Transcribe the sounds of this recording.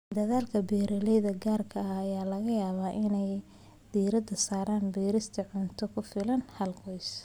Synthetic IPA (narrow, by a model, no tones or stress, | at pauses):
d̪ɐðaːlkʰɐbɛːɾɐlɛjðɐɡaːrkʰɐɐːjaːlɐɣɐjaːβaːʔɪnɛj | d̪̥iːɾɐd̪ɐsaːɾaːnbiːɾɪst̪ʰɐʕʊnt̪ʰɔkʰʊfɪlɐnhɐlqɔjs